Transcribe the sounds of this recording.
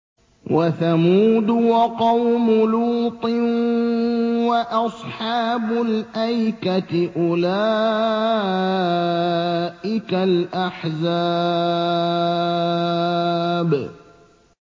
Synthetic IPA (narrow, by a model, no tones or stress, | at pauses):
wʔaθamuːd̪ʊwɑqɑwmʊluːt̪ˤɨn | waʔɑsˤħɑːbʊlʔajkat̪ʔʊlaː | ʔɪkalʔaħza | b